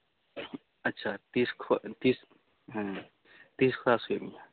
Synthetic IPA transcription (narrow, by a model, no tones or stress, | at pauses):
ɐtːʃʰat̪iːskʰt̪iːs | t̪iːskʰɾaːsuemĩa